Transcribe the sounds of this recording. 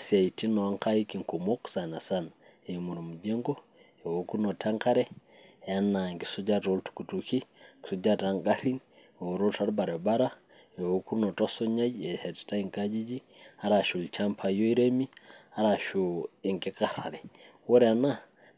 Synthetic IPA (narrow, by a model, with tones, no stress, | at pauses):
sa˨iti˦no˨a˦ŋka˦ji˦ki˨ŋko˨mo˦ksa˨na˨san | e˨mu˨ɾu˨mu˨d͡ʒe˦ŋɡo˦ | e˨woku˦nota˦ŋka˦ɾe˦ | a˦na˨ŋkisuɟa˦to˦ltu̥kutuki˦ki̥˨su˦d͡ʒataŋɡaɾi˦n˨ | wo˨ɾolta˦ɾba˨ɾe˨baɾa˦ | e˨woku˦no˨to˦so˦ɲa˦je˨seti̥ta˦iŋka˦d͡ʒi˦d͡ʒi˦ | a˦ɾa˨ʃu˨lt͡ʃampʰa˨jo˦i˦ɾemi˦aɾa˨ʃui˨ŋki˦kaɾa̰˨ɾe˨ | wo˦ɾana˦